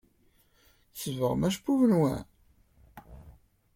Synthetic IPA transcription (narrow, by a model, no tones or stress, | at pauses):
θəvəʁmæʃpːuvənwæ̰